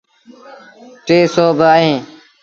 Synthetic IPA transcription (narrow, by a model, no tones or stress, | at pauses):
ʈeːsoːbʱəaːɦẽː